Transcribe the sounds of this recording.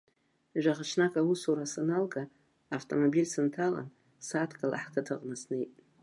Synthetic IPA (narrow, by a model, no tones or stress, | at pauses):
ʒᶣʷaʁat͡ʃʰnakʼausuɾasanalɡaː | ftʰʼomobilʲsɨntʰala̰n | satʰkʼala̰ħkʰatʰɨqʼnasnɨjtʼ